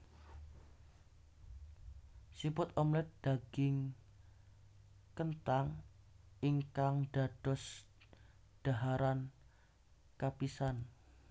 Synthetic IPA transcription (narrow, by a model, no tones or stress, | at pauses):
sipʊt̪ɔmlɛt̪̚d̪̥aɡ̥ɪŋ | kənt̪aŋ | iŋkaŋɖ̥ad̥ɔ̤s | ɖ̥a̤ɦaɾan | kapisan